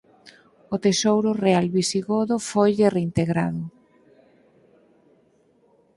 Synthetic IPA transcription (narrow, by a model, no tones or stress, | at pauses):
ʊt̪esowɾʊrealβisiɣoðʊfojʎɪreint̪eɣɾa̰ðʊ